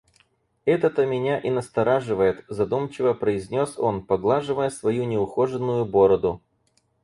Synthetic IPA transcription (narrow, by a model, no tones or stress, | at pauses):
ɛt̪ət̪əmʲɪnʲaʔɪnəst̪ɐɾaʐɨvəjɪt̪zɐd̪umt͡ɕɪvəpɾəɪzʲnʲo̞so̞npɐɡlˠaʐɨvəjəsvɐjunʲɪʊxo̞ʐɨnːʊjʊbo̞ɾəd̪ʊ